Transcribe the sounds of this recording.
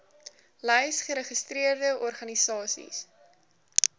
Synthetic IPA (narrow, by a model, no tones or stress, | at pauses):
lɛjsχəɾəχəstriərdəʔɔrχɐnisɑːsḭs